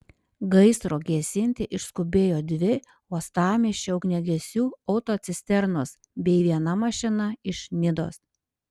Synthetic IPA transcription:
ɡɐɪst̪ɾoːɡʲɛsʲɪnʲt̪ʲɪʔɪʃskʊbʲeːjoːd̪ʲʋʲɪ | oːst̪ɑːmʲeʃʲt͡ʃʲɛɐʊknʲɛɡʲɛsʲuːɔʊt̪oːt̪sʲɪsʲt̪ʲɛɾnos | bʲɛɪʋʲiɛnɐmɐʃʲɪnɐɪʃnʲɪd̪o̰ːs

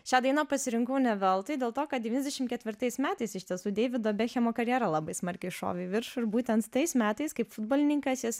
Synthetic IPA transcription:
ʃʲæːd̪ɐɪnɐpɐsʲɪɾʲɪŋkɐʊnʲɛʋʲɛlˠt̪ɐɪd̪ʲeːlˠt̪oːkɐt̪̚dʲɛʋʲiːnʲɛzʲd̪ʲɛʃʲɪmkʲɛt̪ʲʋʲɪɾt̪ɐɪsmʲæːt̪ɐɪsɪʃʲt̪ʲiɛsuːd̪ʲeːʋʲɪd̪oːbʲɛxʲɛmoːkɐɾʲjæːɾɐlˠɑbɐɪsmɐɾʲkʲɛɪʃo̰ːʋʲɛɪʋʲɪɾʃʊɪɾbuːt̪ʲɛnt̪t̪ɐɪsmʲæːt̪ɐɪskɐɪpfʊd̪̚boːlʲɪnʲɪŋkɐsjɪs

